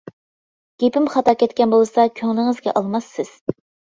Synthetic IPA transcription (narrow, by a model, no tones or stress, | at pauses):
ɡ̥ʲepɪmχɑt̪ɑkʲɛt̪kʲɛnbolˠɨsɑkʲʰøŋlɪŋɨzɡʲɛ̰ʔɑlˠmɑsːɪz̥